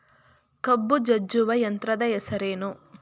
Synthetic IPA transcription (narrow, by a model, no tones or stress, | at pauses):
kɐbːud͡ʒɐd͡ʒːuʋɐjɐnt̪ɾɐd̪ɐɛsɐɾeːnu